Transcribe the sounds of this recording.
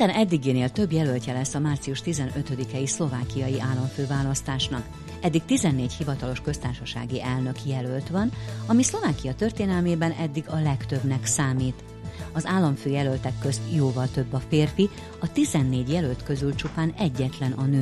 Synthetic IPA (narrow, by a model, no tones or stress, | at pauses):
id̪ɛnɛd̪ːiɡeːneːlt̪ø̞bjɛlølcɛlɛsːɒmaːrt̪sijuʃt̪izɛnø̞t̪ø̞d̪ikɛislo̞vaːkijɒjiʔaːlːɒɱføːvaːlɒst̪aːʃnɒk | ɛd̪ːikt̪izɛnːeːchivɒt̪ɒlo̞ʃkø̞st̪aːrʃɒʃa̰ːɡiʔɛlnø̞kjɛlølt̪ʋɒnɒmislo̞vaːkijɒt̪ø̞rt̪eːnɛlmeːbɛnɛd̪ːiɡɒlɛkt̪ø̞bnɛksaːmiːt̪ | ɒzaːlːɒɱføːjɛlølt̪ɛkːø̞st̪joːvɒlt̪ø̞bːɒfeːrfi | ɒt̪izɛnːeːɟjɛlølt̪kø̞zylt͡ʃupaːnɛɟːɛt̪lɛnʔɒnøː